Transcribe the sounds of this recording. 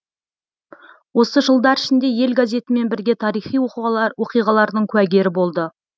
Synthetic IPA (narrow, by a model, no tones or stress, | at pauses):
wo̞səʒəlˠd̪ɑɾɪʃɪnd̪e̞je̞lɡazʲe̞t̪ɪme̞nbɪɾɡʲe̞t̪ʰɑɾijχijwo̞qijʁɑlˠɑɾd̪əɴkʲʰʉæɡʲe̞ɾɪbo̞lˠd̪ə